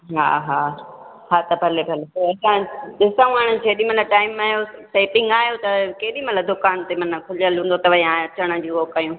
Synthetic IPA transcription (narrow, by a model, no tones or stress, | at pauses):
ɦa̰ːɦaː | ɦaːt̪ɐbʱɐlebʱɐletɐɐsãɗɪsaũaːɽ̃ɪ̃d͡ʑʰeːɗimɐt̪ləb̚ʈaːɪmːaːɦjoseːpɪ̃ŋɡaːɦijot̪ɐkeːɗĩmɐt̪ləbd̪ʊkaːnt̪emɐnkʰʊləlɦũːnd̪ot̪ɐʋəiãɐt͡ɕəɽ̃ə̆d͡ʑiːoːkajũː